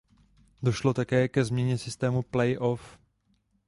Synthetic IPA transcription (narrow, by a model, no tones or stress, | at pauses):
do̞ʃlo̞t̪akɛːkɛzmɲɛɲɛsɪst̪ɛːmuplɛjʔof